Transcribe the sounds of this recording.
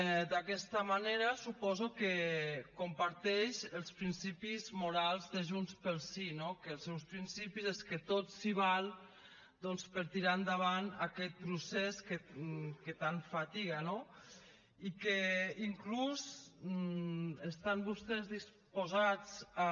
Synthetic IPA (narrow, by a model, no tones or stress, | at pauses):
d̪akɛst̪amaneɾasupɔzukekompaɾt̪ɛʃəlˠspɾinsipizmuɾalˠzðəʒunspəlˠsinokəːlˠsɛwspɾinsipizeskət̪ot̪siβ̞alˠ | d̪ɔnspəɾt̪iɾand̪aβ̞anakɛt̪̚pɾusɛskeket̪aɱfat̪iɣano | ikeiŋkluz | est̪ambust̪ɛzðis | pozat͡sa